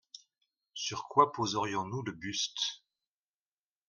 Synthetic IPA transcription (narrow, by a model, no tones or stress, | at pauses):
syʁkwapozəʁjɔ̃nuləbyst̪